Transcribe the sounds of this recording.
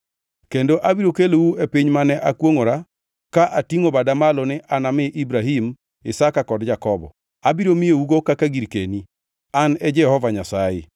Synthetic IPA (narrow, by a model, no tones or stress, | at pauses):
kendoʔabiɾokelouepiɲmanɛʔakwoŋoɾa | kaʔatiŋobadamalɔnɪʔanamɪʔibɾaɦim | ɪsakakɔdd͡ʒakɔbɔ̰ | abiɾomieuɡokakaɡiɾkeni | anɛd͡ʒɛhɔvaɲasajɪ̰